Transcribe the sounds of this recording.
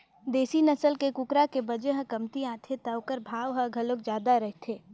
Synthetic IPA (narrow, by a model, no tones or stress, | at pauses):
d̪eːsinɐsəlkekʊkɾakebɐd͡ʒeɦə̃kɐmt̪iãːt̪ʰet̪ɐʋkəɾbʱaːʋɦəɡʱɐlok̚d͡ʒjaːd̪aɾɐɦt̪ʰeː